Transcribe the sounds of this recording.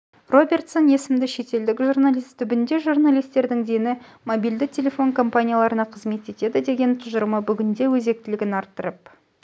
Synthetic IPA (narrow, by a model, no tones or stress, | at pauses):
ro̞bʲe̞rt̪so̞nje̞sɪmd̪ɪʃe̞t̪e̞ld̪ɪkʒurnalʲist̪ʰʏbɪnd̪e̞ʒurnalijst̪e̞ɾd̪ɪŋd̪enɪ | mobijld̪ɪk̚tʲʰe̞lʲe̞fo̞ŋkʰo̞mpanʲijalˠɑɾənɑqʰəzme̞t̪e̞t̪e̞d̪ɪd̪e̞ɡʲe̞nt̪ʰʊzəɾməbʏɡʲɪnd̪e̞wɵze̞k̚t̪ɪlɪɡʲɪnɑɾt̪ːəɾəp̚